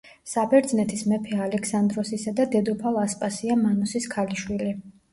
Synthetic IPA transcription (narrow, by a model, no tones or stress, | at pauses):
sabɛɾd̪znɛt̪ʰismɛpʰɛalɛkʰsand̪ɾɔsisad̪ad̪ɛd̪ɔpʰalˠaspʼasiamanɔsiskʰaliʃwili